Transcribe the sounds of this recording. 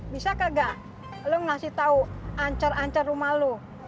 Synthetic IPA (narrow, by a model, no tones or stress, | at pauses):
bisakaɡaʔ | luŋasit̪auaɲt͡ʃaraɲt͡ʃarumalu